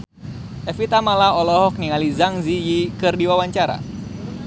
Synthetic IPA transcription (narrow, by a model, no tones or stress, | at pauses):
ɛfit̪amalaɔlɔɦɔk̚niŋalizaŋzijikɨrdiwawaɲt͡ʃaɾa̰